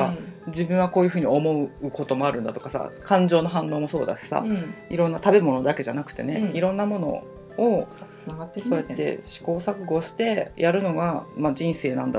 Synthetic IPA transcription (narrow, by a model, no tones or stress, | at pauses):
ad͡ʑibɯ̃ɰ̃βako̞ːjɯ̟ɸɯ̟ːɲ̟io̞mo̞ɯ̟ɯko̞t̪o̞mo̞aɾɯ̟nd̪at̪o̞kasa̰kãɲd͡ʑo̞ːnoɦãnːo̞ːmo̞so̞̰ːd̪a̰ɕi̥sa̰iɾõ̞nːat̪abe̞mo̞no̞d̪ake̞ʑanakɯ̟̥t̪e̞̰ne̞̰iɾõ̞nːamo̞no̞̰ | o | soːjat̪ːe̞̰ɕi̥ko̞ːsakɯ̟ɡo̞ɕi̥t̪e̞jʔaɾɯ̟no̞ɡamad͡ʑĩɰ̃se̞ːnãnd̪a